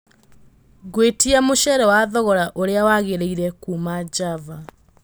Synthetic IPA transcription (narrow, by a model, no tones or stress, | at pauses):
ɣwetiamoʃɛɾɛwaðɔɣɔɾaʔoɾeawaɣeɾeiɾɛkumad͡ʒava